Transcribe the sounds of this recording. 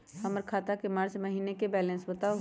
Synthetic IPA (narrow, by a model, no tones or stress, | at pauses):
həməɾkʰaːt̪akemaːɾsemɐɦiːnekebɛːlẽːnsbət̪ao